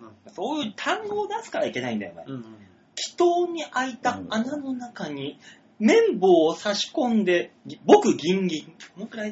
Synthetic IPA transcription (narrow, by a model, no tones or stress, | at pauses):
aso̞ːjɯːt̪ʰãŋɡo̞ːd̪asɨ̥kaaikʲe̞naĩnd̪a̰jo̰ne | kʲʰi̥t̪oːɲ̟iʔait̪aːnano̞nakaɲ̟i | mẽ̞mbo̞ːsaɕi̥kõ̞nd̪e̞bo̞kɯ̟ɡʲĩŋɡʲĩŋnokɯɾai